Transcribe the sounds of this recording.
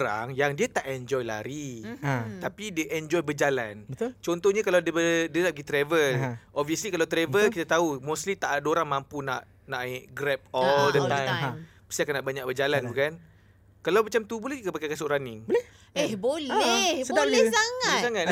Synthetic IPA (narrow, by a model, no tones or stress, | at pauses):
ɾa̰ŋjaŋdiat̪aʔɛnd͡ʒɔjla̰ɾi | t̪apidiəʔɛnd͡ʒɔjbəd͡ʒalanbət̪t͡ʃɔnt̪ɔhɲakaladəbədiənaʔbəɡit̪ɾɛvəlʔɔpviəslikalawt̪ɾɛvəlkit̪at̪aumoslit̪aʔadoɾaŋmãmpuna̰ʔ | naʔiʔɡɾɛp̚ɔldət̪ãjpə̥st̪iakanːaʔbaɲak̚bəd͡ʒalanbukan | kalawmat͡ʃamt̪ubolɛhkəbakajkasʊʔɾanɪŋblɛ | ɛhbolsəbdalsaŋasaŋat̪